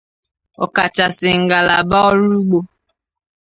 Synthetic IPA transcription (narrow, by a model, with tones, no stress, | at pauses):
ɔ̰˨ka˨t͡ʃa˨sɪ˨ŋ̩˨ɡa˨la˨ba˦ɔ˦ɾu˦ɡ͡bo˦